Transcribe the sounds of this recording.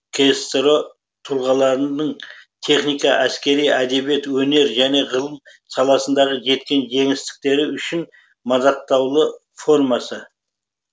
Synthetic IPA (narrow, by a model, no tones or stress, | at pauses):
kʲʰest̪ɾo | t̪ʰulˠʁɑlˠɑɾənəɴt̪ʰe̞χnijkɑʔæskʲe̞ɾijæd̪e̞bje̞t̪wɵne̞ɾʒæne̞ʁəlˠəm | sɑlˠɑsənd̪ɑʁəʒe̞t̪̚kʲe̞nʒe̞ŋɪst̪ɪ̥k̚t̪e̞ɾɪʏʃɪn | mɑd̪ɑq̚t̪ɑwlˠə | fo̞ɾmɑsə